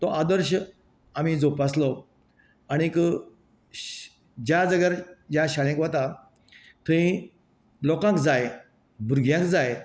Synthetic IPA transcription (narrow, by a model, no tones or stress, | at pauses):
t̪ɔʔad̪əɾɕə | amid͡zopaslɔ | añik | d͡ʑjad͡zəɡəɾd͡ʑaɕaljãkʋat̪a | t̪ʰəĩ | lɔkãkd͡zaj | buɾɡʱjãkd͡zaj